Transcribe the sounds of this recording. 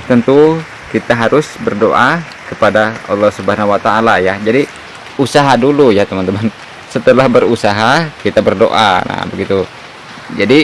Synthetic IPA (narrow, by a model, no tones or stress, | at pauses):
t̪ənt̪u | kit̪aɦaɾʊsbərdoʔa | kəpadaɑ̰lːɑhsubaɦanawat̪aːlajad͡ʒadi | usaɦadulujat̪əmãnt̪əman | sət̪əlahbəɾusaɦakit̪abərdo̰ʔa̰na̰bəɡit̪u | d͡ʒadi